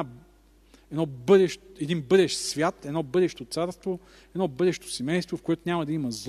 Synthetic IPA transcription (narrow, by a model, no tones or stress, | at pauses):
a | ɛd̪nɔbɤd̪ɛʃɛd̪inbɤd̪ɛʃsvʲjat̪ɛd̪nɔbɤd̪ɛʃt̪ot̪saɾst̪vo | ɛd̪nɔbɤd̪ɛʃt̪o̥sɛmɛjst̪vofkoɛt̪ʊnʲamɐd̪ɐimɐzˠ